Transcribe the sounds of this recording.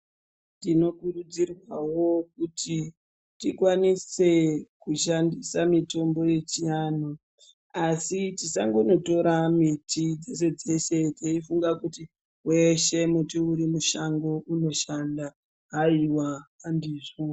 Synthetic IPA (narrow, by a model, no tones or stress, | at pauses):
ndino̞kurud͡zirwawo̞kuti | tikwanise̞kuʃandisamito̞mbo̞je̞t͡ʃiaːnu | asitisaŋɡono̞to̞ɾamitid͡ze̞se̞d͡ze̞ʃe̞teifuŋɡakuti | we̞ʃe̞mutiuɾimuʃaŋɡo̞ʔuno̞ʃanda | ɦaiwaːndiʐo